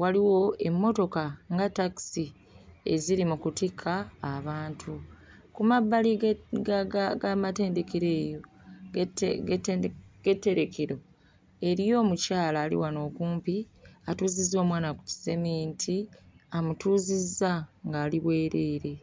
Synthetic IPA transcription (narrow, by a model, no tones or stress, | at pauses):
waliwo̞e̞mːo̞to̞kaŋɡataki̥si | e̞̰ziɾimukutikʰːaːβaːntʰu | kumabːali | ɡamate̞ːnde̞keɾe̞ːjo̞ | tɡtɡ̥e̞tːe̞ɾe̞kʰeɾo̞ | e̞ɾijo̞ːmucaːlaːlḭwano̞ːkuːmpi | atuːzizːo̞ːmwaːnaku̥ci̥zemiːntʰiamutuːzizːaŋɡaːliβwe̞ːɾe̞ɾe̞